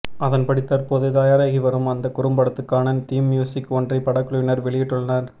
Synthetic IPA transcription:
ɐðɐnpɐɽɪt̪ːɐɾpoːðɯt̪aːjaːɾaːɣiʋɐɾɯmɐnd̪ɐkʊɾɯmbɐɽɐt̪ːɯkːaːnɐnt̪iːmːjuːsɪkːɔndrɐɪpːɐɽɐkːɯɭɐɪnɐɾʋɛɭɪjɪʈːɯɭːɐnɐɾ

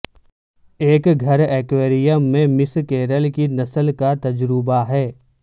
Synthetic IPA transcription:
eːkɡʱɐɾeːkʋeːɾijəmːẽmɪskeːɾəlkinɐsəlkat̪ɐd͡ʒɾubaɦɛː

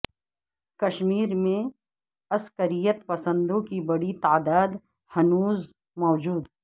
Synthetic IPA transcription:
kɐʃmiːɾmẽ | ɐskəɾijət̪pɐsə̃nd̪õkibɐɽit̪aːd̪aːd̪ | hɐnuːz | mɔːd͡ʒuːd̪

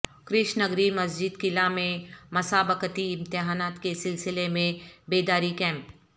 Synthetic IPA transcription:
kɾɪʃnɐɡɾimɐs̬d͡ʒɪd̪kɪlamẽmɐsaːbəkət̪iɪ̃mt̪ɪɦaːnaːt̪kesɪlsɪlemẽbeːd̪aːɾikɛ̃ːmp

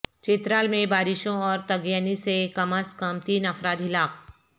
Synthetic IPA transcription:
t͡ʃɪt̪ɾaːlmẽbaːɾɪʃõɔːɾt̪ɐɡjanisekɐməskɐmt̪iːnɐfɾaːd̪ɦɪlaːk̚

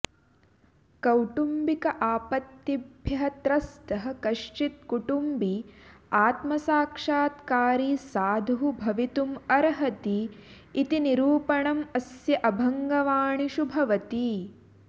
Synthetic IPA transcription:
kɐwʈumbikɐʔaːpɐt̪jibʱjɐɦɐt̪ɾɐst̪ɐɦɐkɐʂt͡ʃit̪̚kuʈumbiaːt̪mɐsaːkʂaːt̪kaːɾiːsaːd̪ʱuɦubʱɐʋit̪umɐɾɐɦɐt̪iː | t̪iniɾuːpɐɳɐmɐsjɐʔɐbʱɐŋɡɐʋaːɳiʃubʱɐʋɐt̪i

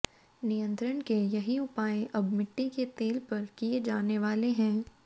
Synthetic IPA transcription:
nijə̃nt̪ɾənkejɐɦiʊpaːẽʔɐbmɪʈːiket̪eːlpɐɾkied͡ʒaːneʋaːleɦɛ̃ː

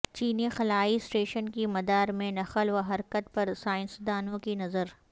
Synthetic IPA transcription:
t͡ʃiːnixɐlaːisʈeːʃənkimɐd̪aːɾmẽnɐxəlʋɐɦɐɾkət̪̚pɐɾsaːɪ̃nsd̪aːnõkinɐzəɾ

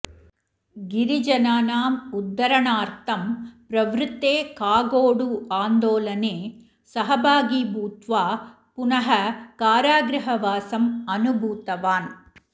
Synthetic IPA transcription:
ɡɪɾɪd͡ʒɐnaːnaːmʊd̪ːɐɾɐɳaːɾt̪ʰɐmpɾɐʋɾɯt̪ːeːkaːɡoːɽuaːnd̪oːlɐneː | sɐɦɐbaːɡiːbuːt̪ʋaː | pʊnɐɦɐkaːɾaːɡɾɐɦɐʋaːsɐmɐnubʱuːt̪ɐʋaːn

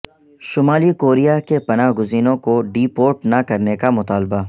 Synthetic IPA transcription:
ʃʊmaːlikoːɾijakepɐnaːɦɡʊziːnõkoɖiːpoːɾʈnɐkɐɾnekamʊt̪aːlba

